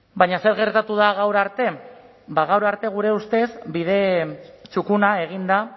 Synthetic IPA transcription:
bajɲase̞ɾɣe̞ɾt̪at̪uð̞aɣawɾaɾt̪e̞ | baɣ̞awɾaɾt̪e̞ɣ̞uɾe̞ust̪e̞sbið̞e̞t͡ʃukunae̞ɣ̞ind̪a

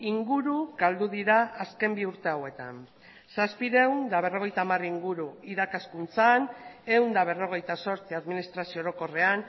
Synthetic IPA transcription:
iŋɡuɾuɡald̪uðiɾaːske̞mbiuɾt̪e̞awe̞t̪a̰n | saspiɾewnd̪aβ̞e̞ro̞ɣ̞e̞jt̪aːmariŋɡuɾuiɾakaskunt͡sane̞wnd̪aβ̞e̞ro̞ɣ̞e̞jt̪aso̞ɾt͡siaðminist̪ɾasioɾo̞ko̞re̞an

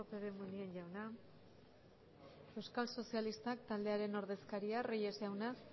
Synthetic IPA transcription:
opeðemunienʝawna | e̞wskalso̞sialist̪ak̚t̪ald̪e̞aɾe̞no̞ɾð̞e̞skaɾiarijesawnas

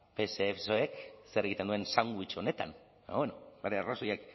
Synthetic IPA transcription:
pe̞seːfsoekseɾeɣit̪end̪uensawŋɡuit͡ʃoone̞t̪a̰n | aβwenobeɾearosojek

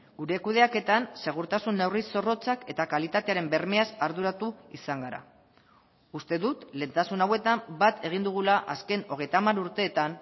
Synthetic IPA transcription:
ɡ̥uɾe̞kuð̞e̞ake̞t̪anse̞ɣ̞uɾt̪asunːewriso̞ro̞t͡sake̞t̪akalit̪at̪e̞aɾe̞mbe̞rme̞asaɾðuɾat̪uisaŋɡaɾa̰ | ust̪e̞ðut̪le̞ːnt̪asunawe̞t̪ambat̪ʰe̞ɣ̞ind̪uɣ̞ulaʔa̰ske̞no̞ɣ̞e̞jt̪amaɾuɾt̪e̞ːt̪an

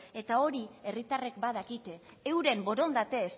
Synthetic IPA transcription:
e̞t̪ao̞ɾie̞rit̪arekbað̞akit̪e̞ | ewɾe̞mbo̞ɾo̞nd̪at̪e̞ːs

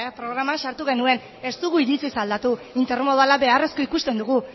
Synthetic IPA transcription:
pɾo̞ɣ̞ɾamanʃaɾt̪uɣe̞nue̞n | e̞st̪uɣuiɾit͡sisald̪at̪uint̪eɾmoðualaβe̞are̞sko̞ikust̪e̞nd̪uɣ̞u

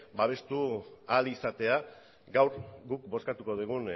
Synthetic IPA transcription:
baβ̞e̞st̪ualisat̪e̞a | ɡawɾɡukbo̞skat̪uko̞ðuɣ̞un

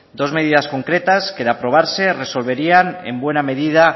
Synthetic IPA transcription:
d̪o̞zme̞ð̞iðasko̞ŋkɾe̞t̪askeðeapɾo̞β̞aɾse̞re̞so̞lβe̞ɾianḛmbwename̞ðið̞a

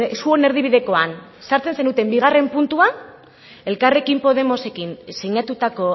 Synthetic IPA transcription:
suo̞ne̞ɾð̞iβ̞iðe̞ko̞an | saɾt͡se̞nsenut̪e̞mbiɣ̞are̞mpunt̪ua | e̞lkare̞kimpo̞ðe̞mo̞se̞kinseɲat̪ut̪ako̞

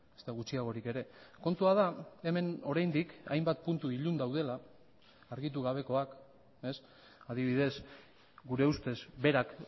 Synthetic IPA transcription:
est̪aɣ̞ut͡ʃiaɣ̞o̞ɾike̞ɾe̞ko̞nt̪uað̞ae̞me̞no̞ɾajnd̪ika̰jmbat̪̚punt̪uiʎund̪awð̞e̞laː | ɾɣit̪̬uɣ̞aβ̞e̞ko̞ak | e̞s | aðiβ̞ið̞e̞s | ɡuɾe̞ust̪e̞zbe̞ɾak

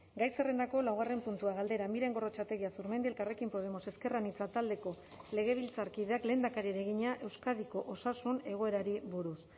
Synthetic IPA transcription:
ɡajsere̞nd̪ako̞lawɣare̞mpunt̪uaɣ̞ald̪e̞ɾamiɾe̞ŋɡo̞ro̞t͡ʃat̪e̞ɣiasuɾme̞nd̪ielkare̞kimpo̞ð̞e̞mo̞se̞ske̞ranit͡sat̪ald̪e̞ko̞ | le̞ɣ̞e̞β̞ilt͡saɾkiðe̞akleːnd̪akaɾieɾe̞ɣ̞iɲaʔe̞wskaðiko̞ʔosasune̞ɣ̞o̞e̞ɾaɾiβuɾus

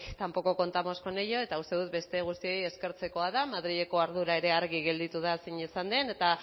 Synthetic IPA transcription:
kt̪ampo̞ko̞ko̞nt̪amo̞sko̞nejo̞e̞t̪aust̪e̞ðut̪̚be̞st̪e̞ɣ̞ust̪io̞je̞ske̞ɾt͡se̞ko̞aðamað̞ɾiʎe̞ko̞aɾð̞uɾae̞ɾe̞aɾɣ̞iɣe̞ld̪it̪uð̞asiɲisand̪e̞ne̞t̪a

